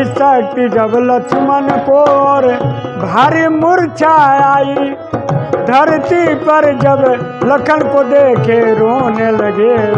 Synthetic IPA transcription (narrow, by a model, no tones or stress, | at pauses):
sat̪id͡ʒɐblɐkʰumɐnkoɔːɾbʱaːɾimʊɾt͡ʃʰaaːi | d̪ʱɐɾt̪ipɐɾd͡ʒɐblɐkʰənkod̪eːkʰeɾoːnelɐɡe